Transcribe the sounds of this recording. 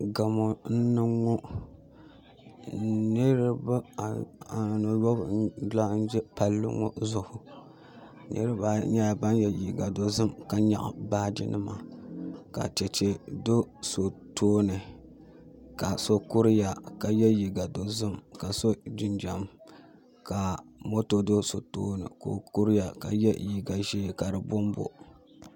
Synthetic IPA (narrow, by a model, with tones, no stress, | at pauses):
ɡa˨mo˨n̩˦nɨ˦ŋːɔ˦ | nɨ˦ɾɨ˦bɨ˦˨a˨no˨jɔ˦bdla˦n̩˦d͡ʒɛ˦pa˦lːɨ̰˦ŋɔ̰˦zʊ˦hʊ˦ | nʔɨ̰˦ɾɨ˦ba˨˦ɲa˦˨ba˦njɛ˨ji˨ɡa˨do˨zɨ˦mka˨ɲa̰˨ʔbaː˦dḭ˦nʔɨ̰˦ma˨ka̰˨t͡ʃɛ˨t͡ʃɛ˨do˦so˨tʰoː˦nɨ˨ | ka˨so˦ku˦ɾɪ˦ja˨ka˨jɛ˦ji˨ɡa˨do˨zɨ˦mka˨so˦d͡ʒɪ˦nd͡ʒa˨m | ka˨mo˦to˨do˦so˨toː˦nɨ̰˨ko̰˨ku˦ɾɨ˦ja˨ka̰˨jɛ˦ji˨ɡa˨ʒeː˦˨ka˨ɾɨ˨bʊ˦mbo̰˨